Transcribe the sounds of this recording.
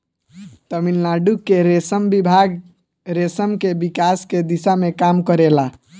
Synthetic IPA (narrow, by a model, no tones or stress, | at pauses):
t̪əmilnaɖukːeɾesəmbibʱaɡ | ɾesəmkebikasked̪isamekamkəɾela